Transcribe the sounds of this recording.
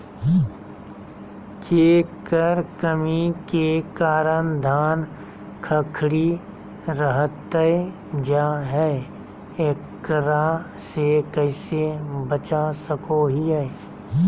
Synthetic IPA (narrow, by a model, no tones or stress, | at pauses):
keːkəɾkəmikekaːɾənd̪ʱaːn | kʰəkʰɽi | ɾəɦət̪əe | d͡ʒaːɦɛ | eːkːəɾa | sekəɪsebət͡ʃasəkoɦiɦɛ